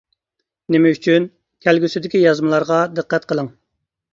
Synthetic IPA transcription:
nɪmɛyt͡ʃʰyn | kʲʰælɡʲysɪd̪ɪkʲijɑzmɨlˠɑɾʁɑd̪ɨqːæt̪qʰəlˠəŋ

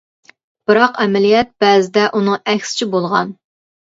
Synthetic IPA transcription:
b̥ɨɾɑqɛmɛlijɛt̪̚b̥ɛːzɪd̪ɛʔunɨŋɛkʲsɪ̥t͡ʃʰibolˠʁɑ̰n

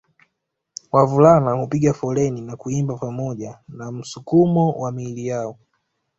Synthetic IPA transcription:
wavulanahupiɠafɔlɛninakuimbapamɔʄanam̩sukumɔwʔamilijaɔ

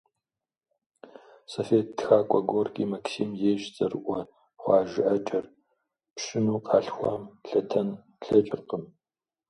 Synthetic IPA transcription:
sofeːtːxaːkʷʼɐɡʷorɡʲʼiːmɐksiːmjeːʃt͡sʼɐrɨʔʷɔ | χʷɑːʒɪʔɐt͡ʃʼɐr | pʂɪnuːqʰɑːɬxʷɑ̰ːmɬɐtʰɐn | ɬɐt͡ʃʼɪrqəm

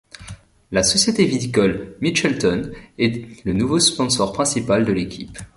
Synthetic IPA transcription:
lasɔsjet̪evit̪ikɔlmit͡ʃɛlt̪ɔnɛlənuvospɔ̃sɔʁpχɛ̃sipald̪əlekʲʰip

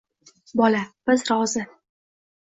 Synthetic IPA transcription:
bɒlab̥ɪzɾɒzɪ

